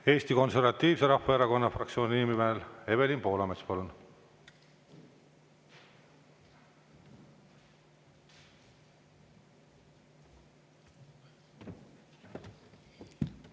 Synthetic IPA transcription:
e̞ːst̪iko̞nse̞rvɑt̪ːˑiːvse̞ɾɑhːeeɾɑko̞nːɑfrɑktsioːniinimimeele̞βe̞limpo̞ːlɑmet̪spɑlun

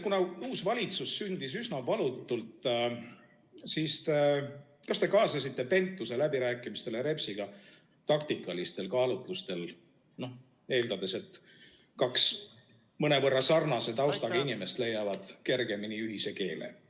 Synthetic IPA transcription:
kunɑuːsvɑlʲit̪susːynd̪̥is̬ysnɑvɑlut̪ːˑult̪ | siːst̪e̞ | kɑst̪e̞kɑːsɑsit̪ːe̞pe̞nt̪ːˑuse̞læbiɾæːkːˑimist̪e̞leɾe̞psiɡ̥ɑ | t̪ɑkt̪ikˑːɑlist̪e̞lkɑːlut̪ˑlust̪e̞l | no̞h | e̞ːld̪ɑd̪e̞se̞t̪ː | kɑks | mɤne̞vɤrːɑsɑrnɑse̞t̪ɑwst̪ɑɡ̥ɑinime̞st̪le̞jːɑvɑd̪̥ke̞rɡe̞miniyɦise̞ke̞ːlḛ

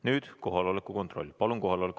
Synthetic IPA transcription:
nyːd̪̥ko̞ɦɑlolekːˑuko̞nt̪ro̞̰lʲːpɑluŋko̞ɦɑlolek

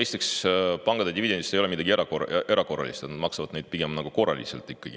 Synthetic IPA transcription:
ejst̪ekspɑŋɡ̥ɑd̪ed̪ivid̪̥end̪ist̪e̞joleid̪ɑɡ̥ieɾɑkoʔeɾɑko̞rːɑ̰liset̪et̪nɑd̪mɑksɑvɑd̪̥ne̞jd̪̥̚piɡ̥e̞mnɑɡ̥uko̞rːɑ̰lḭsḛlt̪ːˑikːɑɡ̥i

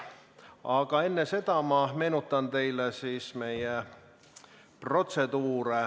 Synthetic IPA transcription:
ɑːkɑenːeset̪ɑmɑːmenut̪ːɑnt̪eilːæsiːsmeijæ | prot̪set̪uːrɑ

